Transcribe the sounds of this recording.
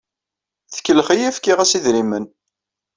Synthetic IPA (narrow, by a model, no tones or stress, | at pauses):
θə̥kːəlχijæfkiʁæsiðɾimən